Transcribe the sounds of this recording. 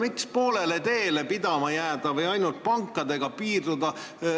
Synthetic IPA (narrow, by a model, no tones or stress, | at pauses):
mikspo̞ːlele̞t̪e̞ːle̞pid̪̥ɑmɑjæːd̪̥ɑvɯjɑjnult̪̚pɑŋkːˑɑd̪e̞ɡ̥ɑpiːrd̪ud̪ɑ